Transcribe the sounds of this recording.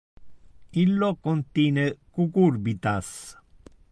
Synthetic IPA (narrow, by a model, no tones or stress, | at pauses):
ilːɔkːɔnt̪iːnekukuɾbit̪as